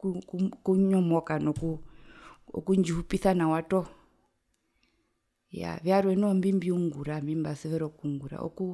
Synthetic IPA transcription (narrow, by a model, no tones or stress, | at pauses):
kukukuɲɔmɔkanɔku | ɔ̰kuɲd͡ʒihupiθanawatɔ | ja̰ʋjaɾwɛnɔmbimbiuŋɡuɾambimbasɛʋɛɾɔkuuŋɡuɾa̰ʔɔ̰ku